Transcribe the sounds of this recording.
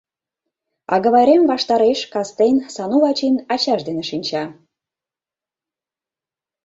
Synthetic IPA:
ɑ̰ɣə̆βɑjɾemvɑʃt̪ɑɾeʃkɑst̪ensɑnuβɑt͡ɕinɑt͡ɕɑʃd̪eneʃinʲt͡ɕɑ

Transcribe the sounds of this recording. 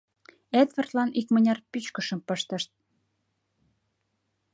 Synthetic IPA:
ed̪βərt̪lɑnʔikmənʲɑrpyt͡ɕkə̆ʃə̆mpəʃt̪ə̆ʃt̪̚

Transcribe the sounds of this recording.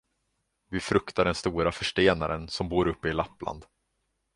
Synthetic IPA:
vɪfɾɵkt̪aɖɛnst̪uːɾafœʂʈeːnaɾənsɔmbuːɾɵpːəɪlapːlʔa̰nd̪

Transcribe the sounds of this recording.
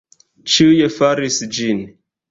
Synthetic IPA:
t͡ʃujefaɾisd͡ʒin

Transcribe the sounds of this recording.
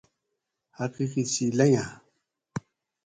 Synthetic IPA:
hakikisilaja

